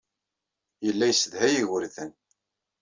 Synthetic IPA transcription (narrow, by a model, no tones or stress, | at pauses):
jəlːæjəsəðhæjiʝəɾθən